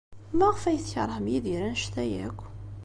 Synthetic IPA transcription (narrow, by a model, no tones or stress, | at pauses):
mæʁfæjəθçə̰ɾˤhəmjiðiɾænʃθæjæ̰kʷː